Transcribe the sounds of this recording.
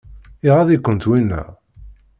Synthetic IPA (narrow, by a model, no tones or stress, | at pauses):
iʁaðikʷːənt̪winːæ̰